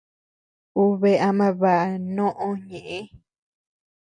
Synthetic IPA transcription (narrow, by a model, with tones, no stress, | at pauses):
u˧βe˧a˧mã˧βa˨ʔa˧nõ˦ʔõ˧ɲẽ˨ʔẽ˦